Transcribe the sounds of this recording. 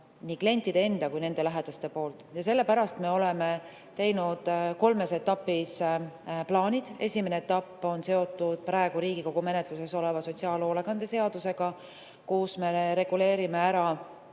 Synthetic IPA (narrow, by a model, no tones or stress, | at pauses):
niːkle̞nʲt̪ːˑid̪ee̞nd̪̥ɑkujne̞nd̪e̞læɦed̪̥ɑst̪e̞po̞ːlt̪ːˑjɑse̞lːe̞pæɾɑst̪me̞o̞leme̞ | t̪e̞jnud̪̥ko̞lme̞se̞t̪ːɑpːis | plɑːnʲid̪̥e̞sʲimeneet̪ːˑɑpːo̞nse̞o̞t̪ːud̪̥̚pɾɑeɡ̥uɾiːɡ̥iko̞ɡ̥ume̞net̪ˑluse̞so̞le̞vɑso̞tʲsiɑːlo̞ːleɡɑnd̪̥e̞se̞ɑd̪̥use̞ɡ̥ɑ | kusme̞ɾe̞ɡ̥ule̞ːɾime̞æɾɑ